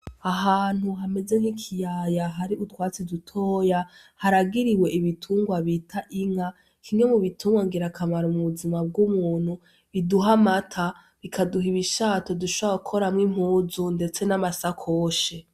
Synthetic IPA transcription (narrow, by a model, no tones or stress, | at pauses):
aɦaːn̥huɦame̞ze̞ŋ̥hikʰijajaɦaɾiutwaːt͡sidutʰo̞ːja | haɾaɡiɾiwe̞iβitʰuːŋɡwaβiːtʰaʔiŋa | kʰime̞muβitʰuːŋɡwaŋɡiɾakʰamaɾomuβuzimab̚ɡumuːn̥hu | βiduɦamatʰa | βikʰaduɦiβiʃaːtoduʃoakʰo̞ɾamŋim̥huːzunde̞t͡se̞namasakʰoːʃe̞